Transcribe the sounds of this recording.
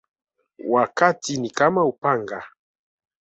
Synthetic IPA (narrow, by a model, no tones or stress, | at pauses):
wakatinikamaupaŋɡa